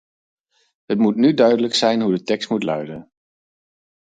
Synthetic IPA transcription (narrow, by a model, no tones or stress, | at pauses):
ətmutnydœɥdələksɛjnɦudətɛkstmutlœ̰ɥdən